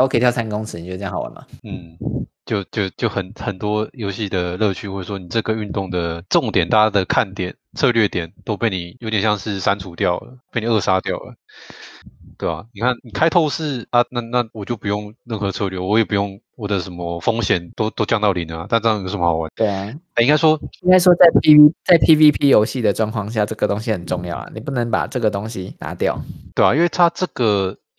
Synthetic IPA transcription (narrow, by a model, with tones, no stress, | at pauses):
wɔ˧kʰə˥˨˩jsa˥n˧kʊ˥ŋt͡s̩ʰ˧ni˨o˥˧˩ŋxɑ˨˩ʊa̰˦nma̰˨n̩˥˩t͡ɕjo˥˧ʊt͡ɕjo˥˧ʊt͡ɕjo˥˩ʊxə˨˩nxə˨˩nt̪wɔ˥jo˧˥ʊɕi˥˩d̪ə˩lɤ˥˧t͡ɕʰy˥xwe˥˩ɪʂwɔ˥ni˨˩ʈ͡ʂɤ˥˩ɡə˩y˥˧nt̪ʊ˥˩ŋd̪ə˩ʈ͡ʂʊ˥˧ŋt̪jɛ˨˩nt̪a˥˧˩t͡ɕja˥d̪ə˨˩kʰa˥˩nt̪jɛ˨˩˦nt͡sʰɤ˥˧lɥɛ˥˩t̪jɛ˨˩˦nt̪o˥ʊpe˥˩ɪni˨˩jo˧˥ʊt̪jɛ˨˩nɕjɑ˥˧ŋʂɻ̩˥˩sa˦nt͡sʰu˧˥t̪jɑ˥˩ʊlə̰˩pni˨˩ə˥˩ʂa˥t̪jɑ˥˩ʊlə̰˩ | t̪we˥˩ɪa̰˨˩ni˨˩kʰa˥˩nni˨˩kʰa˥ɪt̪ʰo˥˧ʊʂɻ̩˥˩a˥˧na˥˧na˥˧˨wɔ˨˩t͡ɕjo˥˩ʊpu˧˦jo˥˧ŋɻə˥˩nxɤ˧˦t͡sʰɤ˥˧lɥɛ˧˩wɔ˧˦jɛ˨˩pu˨˧˦jo˥˩ŋ | wɔ˨˩d̪ə˦ʂə˧˥nmə˧fo˥ŋɕjɛ˨˩˦nt̪o˥ʊt̪o˥ʊt͡ɕjɑ˥˧ŋt̪ɑ˥˩ʊli˨˩˦na˦t̪a˥nʈ͡ʂjə˨m˧xɑ˨˩ʊwa̰˨˦ne˥˩a˥˩i˥ŋɡa˥ɪʂwɔ˥i˥ŋɡa˥ɪʂwɔ˥t͡sa˥˩ɪpʰi˥i˥t͡sa˥˩ɪpʰi˥vi˦pʰi˥jo˧˥ʊɕi˥˩d̪ə˩ʈ͡ʂwɑ˥˧ŋkʰwɑ˥˧ŋɕ̬ja˥˩ʈ͡ʂɤ˥˩ɡə˩t̪o˥ŋɕi˧˦xə˨˩nʈ͡ʂʊ˥˧ŋjɑ̰˥˩ʊa̰˨˩ni˨˩pu˥˩nə˧˦ŋpa̰˨˩ʈ͡ʂɤ˥˩ɡə˩t̪o˥ŋɕi˧˦na̰˧˦t̪jɑ˥˩ʊt̪we˥˩˨i˦nwe˥˩ɪt̪ʰa˦ʈ͡ʂɤ˥˩ɡə˩